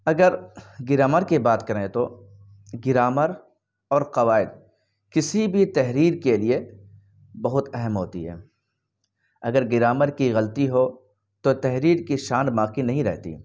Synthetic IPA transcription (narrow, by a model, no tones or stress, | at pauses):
ɐɡəɾɡɪɾaːməɾkibaːt̪kɐɾẽt̪o | ɡɪɾaːməɾ | ɔːɾqɐʋaːɪd̪̚ | kɪsibʱit̪ɛɦɾiːɾkelie | bɐɦʊt̪ɛɦəmɦo̰ːt̪ḭɦɛ̰ː | ɐɡəɾɡɪɾaːməɾkiɣɐlt̪iɦo | t̪ot̪ɛɦɾiːɾkiʃaːnmaːqinɐɦĩɾɛ̰ɦt̪ḭ